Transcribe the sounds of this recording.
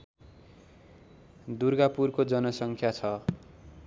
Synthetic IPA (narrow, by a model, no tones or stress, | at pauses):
d̪urɡapurkod͡zʌnʌsʌŋkʰjat͡sʰʌ